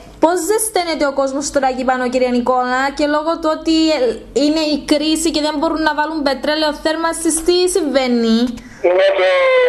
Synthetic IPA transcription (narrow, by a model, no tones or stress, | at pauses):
po̞zðest̪enet̪eoko̞zmost̪oɾɐcipɐnociɾiɐniko̞nɐce̞lo̞ɣot̪uot̪iine̞ikɾisiceðe̞mbo̞ɾunːɐvɐlumbet̪ɾeleoθeɾmɐst̪ist̪isiɱvenːi